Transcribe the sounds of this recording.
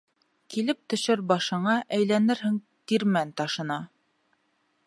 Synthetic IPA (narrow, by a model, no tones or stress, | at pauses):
kilɘp̚t̪ɵ̆ʃɘɾbɑʃɤ̆ɴɑʔæjlænɘɾɦɘŋ | t̪iɾmænt̪ɑʃɤ̆nɑ